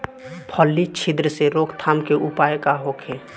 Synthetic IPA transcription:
pʰɔlːit͡ʃʰɪd̪ɾəseɾoːkʰt̪ʰaːmkeʔʊpaːjkaɦoːkʰe

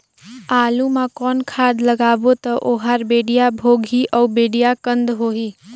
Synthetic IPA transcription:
aːlumãkɔːnkʰaːd̪ləɡaːbot̪ɔʔoːɦaɾbeːɖijabʱoːɡʱiʔɔːbeːɖijakə̃nd̪ɦoːɦiː

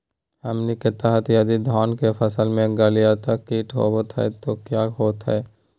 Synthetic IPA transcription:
əmnikɪt̪aɦət̪jɐd̪id̪ʱɔːnkepʰəsəlmẽɡəlijat̪akiːʈɦo̰ot̪ɦɛ̰t̪okjaːɦoːt̪ɦɛ̰ː

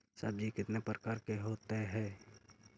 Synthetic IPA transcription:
səb̚d͡ʒikɪt̪nepɾəkaːɾkeɦoːt̪eɦɛ̃ː

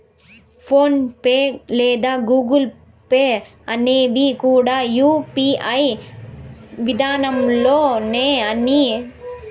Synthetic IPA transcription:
foːnpeːleːd̪aːɡuːɡɯl | peː | ɐneːʋikuːɽaːjuːpiɐj | ʋɪd̪aːnɐmloːneːɐni

